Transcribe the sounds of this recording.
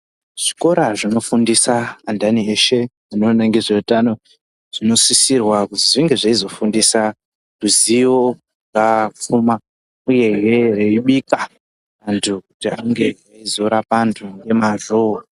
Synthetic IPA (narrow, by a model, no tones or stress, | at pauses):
ʐ̥iko̞ɾaʐino̞fundisaːndanieʃe̞ | ano̞naŋɡeʐeutano̞ | ʐ̥ino̞sisirwakutiʐiŋɡe̞ʐaizo̞fundisa | ruziʋo̞ | ŋɡap͡fuma | uje̞ɦe̞reiɓika | antʰukutiaŋɡe̞aizo̞ɾapantʰuŋɡe̞maʐoo